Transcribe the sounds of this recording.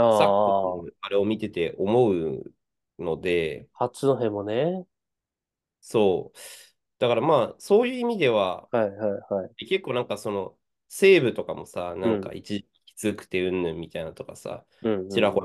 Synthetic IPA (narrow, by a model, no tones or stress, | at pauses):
aːsa | aɾe̞o̞mʲit̪e̞t̪e̞ʔo̞mo̞ɯ̟ | no̞d̪e̞hat͡sɨnoɦẽmːone | so̞ː | d̪̥akaɾamaːso̞ːjɯ̟ːimʲid̪e̞β̞ahaihaihaieke̞kːoːnãŋkaso̞no̞ | se̞ːbɯ̟t̪o̞kamo̞sanãŋka̰ʔḭt͡ɕiʑi̥kʲi̥z̥ɨkɯ̟̥t̪e̞ɯ̟̃nːɯ̃mːʲit̪ainat̪o̞kasã̰ | t͡ɕiɾako